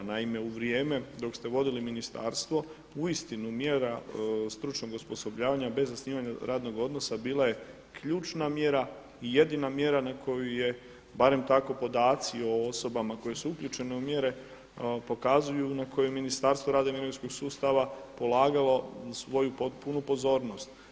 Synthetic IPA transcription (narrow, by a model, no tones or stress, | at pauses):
naime̞uʋɾije̞ːme̞d̪o̞kst̪e̞ʋo̞d̪iliminist̪a̰ːɾst̪ʋo̞ | uist̪inumje̞ɾast̪ɾut͡ʃno̞ɡuspo̞so̞bʎaːʋaɲabe̞zːasniːʋaɲaɾaːd̪no̞ɡo̞d̪no̞sabiːlaje̞ | kʰʎuːt͡ʃnamje̞ɾa | ije̞d̪inamje̞ɾanakʰo̞juje̞ | baɾe̞mt̪ako̞po̞d̪aːt̪sio̞oso̞bamako̞je̞suukʎʲuːt͡ʃe̞ne̞umje̞ɾe̞ | po̞kazujunako̞juminist̪aːɾst̪ʋo̞ɾaːd̪aimiɾisko̞ɡsuːst̪aʋapo̞laːɡalo̞sʋo̞jupot̪punupo̞zo̞ːɾno̞st̪